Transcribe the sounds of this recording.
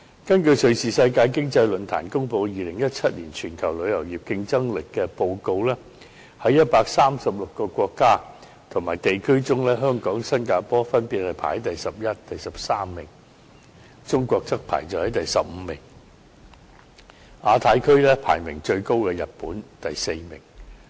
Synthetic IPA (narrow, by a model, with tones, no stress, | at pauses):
kɐ˥nkɵ˧ɥsɵ˨˧ɥsiː˨sɐ˧jkaː˧jkɪ˥ŋt͡sɐ˧jlɵ˨˧nt̪ʰa̰ː˨˩nkʊ˥ŋpo˧wjiː˨˧lɪ˨˩ŋjɐ˥t̚t͡sʰɐ˥t̚liː˨˩nt͡ʃʰyː˨˩nkʰɐ˨˩wlɵ˨˧ɥjɐ˨˩wjiː˨p̚kɪ˧ŋt͡sɐ˥ŋlɪ˨kːɛː˧po˧wko˧wlɛː˥ | hɐ˨˥jɐ˥t̚paː˧k̚saː˥msɐ˨p̚lʊ˨kːɔː˧kʷɔː˧kːaː˥ | t̪ʰʊ˨˩ŋmaː˨˩jt̪e˨jkʰɵ˥ɥt͡sʊ˥ŋlɛː˥ɦœː˥ŋkɔː˨˥ŋsɐ˥nkaː˧pɔː˥fɐ˥npiː˨t̚hɐ˨˩jpʰaː˨˩˥t̪ɐ˨jsɐ˨p̚jɐ˥t̚t̪ɐ˨jsɐ˨p̚saː˥mːɪ˨˩ŋ | t͡sʊ˥ŋkʷɔː˧k̚t͡sɐ˥k̚pʰa̰ː˨˩jt͡sɐ˨whɐ˨˥jt̪ɐ˨jsɐ˨p̚m̩ː˨˧mɪ˨˩ŋ | ʔaː˨˧t̪ʰaː˨˥jkʰɵ˥ɥlɛː˥pʰa̰ː˨˩jmɪ˨˩ŋt͡ʃɵ˧ɥko˥wkɛː˧jɐ˨t̚puː˨˥nt̪ɐ˨jse˧jmɪ˨˩ŋ